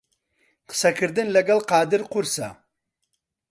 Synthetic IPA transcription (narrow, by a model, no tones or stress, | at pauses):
qə̥sɐkʰɨɾd̪ɨnlɐɡɐlqɑːd̪ɨɾqʊɾsa̰